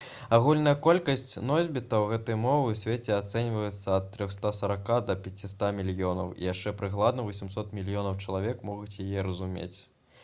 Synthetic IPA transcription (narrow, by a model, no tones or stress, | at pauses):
aɣulʲnɐjɐkɔlʲkɐsʲt͡sʲnɔzʲbʲit̪ɐwɣɛt̪ɐjmɔvɨwsʲvʲet͡sʲɛat̪sɛnʲvɐjɛt̪sːɐɐt̪ːɾʲɔxst̪asɐɾakad̪ɐpʲat͡sʲist̪amʲilʲjɔnɐwḭjaʂt͡ʂɛpɾɨɣlˠad̪nɐvɐsʲimsɔt̪mʲilʲjɔnɐwt͡ʂɐlˠavʲɛkmɔɣut͡sʲjajɛɾɐzumʲḛt͡sʲ